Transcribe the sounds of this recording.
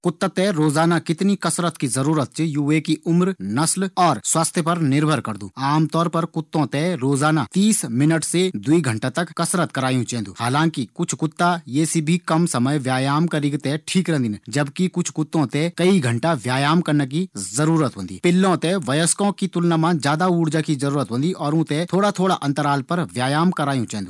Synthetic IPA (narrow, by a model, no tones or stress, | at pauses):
kʊt̪ːat̪ɛɾoːzaːnakɪt̪nikɐsɾət̪kizɐɾuːɾət̪̚t͡ʃijuːekiʔʊmɾnɐslɔːɾswaːst̪ʰjəpɐɾnɪɾbʱəɾkɐɾd̪ṵːaːmt̪ɔːɾpɐɾkʊt̪ːõt̪ɛɾoːzaːnat̪iːsmɪnəʈsed̪uiɡʱɐ̃ɳʈat̪ɐkkɐsɾət̪̚kɐɾaːjũt͡ʃɛ̃ːnd̪ṵːhaːlãːŋkikʊt͡ʃʰkʊt̪ːajeːsibʱikɐmsɐməjʋjaːjaːmkɐɾiɡt̪ɛʈʰiːkɾɐ̃nd̪iːnd͡ʒɐbkikʊt͡ʃʰkʊt̪ːõt̪ɛ̃kɐiɡʱɐ̃ɳʈaʋjaːjaːmkɐɾnak̬izɐɾuːɾət̪ɦõnd̪ḭːpɪlːõt̪ɛʋɐjəskõkit̪ʊlnaːmãd͡ʒjaːd̪auːɽd͡ʒakizɐɾuːɾət̪ɦõːnd̪iʔɔːɾũːt̪ɛ̃t̪ʰoːɽat̪ʰoːɽaʔɐ̃nt̪əɾaːlpɐɾʋjaːjaːmkɐɾaːjũt͡ʃɛ̃ːnd̪uː